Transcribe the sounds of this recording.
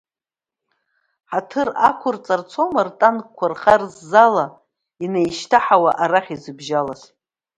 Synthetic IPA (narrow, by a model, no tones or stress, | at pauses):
ħatʰɨra̰kʷʰʊrt͡sʼart͡sʰomartʼankʷʰarχarzːala | inejʃtʰaħawaʔaɾaχʲizɨbʒalas